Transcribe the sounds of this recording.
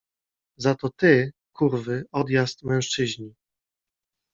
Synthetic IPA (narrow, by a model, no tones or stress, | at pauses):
zat̪ɔt̪ɘkʰuɾvɘɔd̪jast̪mɛ̃ʂt͡ʂɘʑɲi